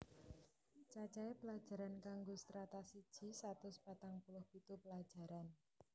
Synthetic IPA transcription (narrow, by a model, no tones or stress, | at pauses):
t͡ʃat͡ʃaepəlad̥ʒ̥a̤ɾankaŋɡost̪ɾat̪asid̥ʒ̥i̤sat̪ʊspat̪aŋpulʊhpit̪upəlḁd͡ʒ̥a̤ɾan